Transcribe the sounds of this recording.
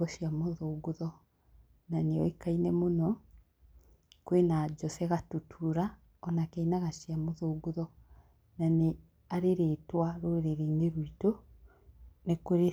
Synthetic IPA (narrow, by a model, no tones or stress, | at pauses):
ɔʃjamoðoːɡuðɔ | naneɔ̰ekainɛmonɔ | kwenad͡ʒɔsɛɣatutʰuɾa | ɔnakɛinaɣaʃjamoðoːɡuðɔ | nane | aɾeɾeːtwaɾoɾeɾiŋɡeɾwito | nekoɾe